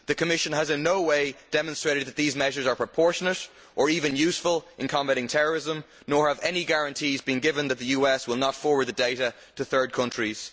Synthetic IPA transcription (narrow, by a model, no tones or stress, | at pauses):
ðɨkʰəmɪʃə̃nəzɪ̃nːoʊweɪd̥ɛmə̃nstɹ̥eɪɾɨd̪̚ðət̪̚ðizmɛʒə˞zə˞pʰɹ̥əpʰɔɹʃənəɾ | ʔə˞ivɨ̃njʉsfəlˠʔɪ̃nkʰɑ̃mbæɾɪ̃ŋtʰɛɹə˞ɪzə̃m | nɔɹəvɛniɡaɹə̃ntʰiːzbɨ̃nɡɪvə̃nðət̪̚ðɨjʉːɛswɪlˠnətfɔɹwə˞d̪̚ðədeɪɾə | ɾəθɜ˞d̚kʰʌ̃nt͡ʃɹ̥iz̥